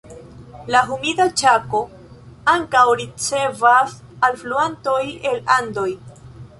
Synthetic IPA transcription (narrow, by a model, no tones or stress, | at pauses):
laɦumidat͡ʃako̞ | aŋkawɾit͡se̞vas | alfluanto̞je̞landoj